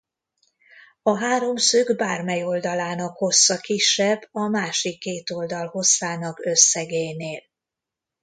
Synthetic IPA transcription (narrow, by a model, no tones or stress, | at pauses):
ɒɦaːɾo̞msøɡbaːrmɛjo̞ld̪ɒlaːnɒkho̞sːɒkiʃːɛbːɒmaːʃikːeːt̪o̞ld̪ɒlho̞sːaːnɒkøsːɛɡeːjneːl